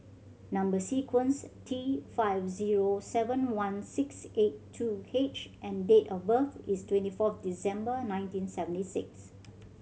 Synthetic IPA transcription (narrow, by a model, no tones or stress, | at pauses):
nãmbəsikʰwə̃nstʰifaɪvziɹosɛvə̃nwãnsɪksetːʰuet͡ʃʔɛ̃ndetɔfbəθistwɛ̃ntifɔfdisɛ̃mbənãɪ̃ntĩnsɛvə̃ntisɪks